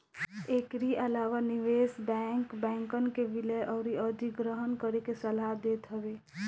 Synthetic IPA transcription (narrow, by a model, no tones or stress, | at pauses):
ekɾiʔəlaːwaniʋesbɛŋkbɛ̃ŋkənkebiləʔɔʊɾiəd̪ʱiɡɾəɦənkəɾekesəlad̪et̪ɦəbe